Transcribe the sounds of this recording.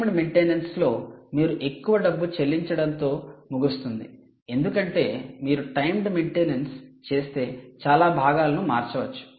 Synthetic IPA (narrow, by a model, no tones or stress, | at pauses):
mɖmeɳʈeːnɐnslo̞ːmiːɾuʔe̞kːuʋɐɖɐbːut͡ʃe̞lːiɲt͡ʃɐɽɐnt̪o̞ːmuɡust̪und̪i | e̞nd̪ukɐɳʈe̞ːmiːɾuʈɐjmɖmeɳʈeːnɐnst͡ʃe̞ːst̪e̞ːt͡ʃaːlaːbʱaːɡaːlɐnumaːɾt͡ʃɐʋɐt͡ʃːu̥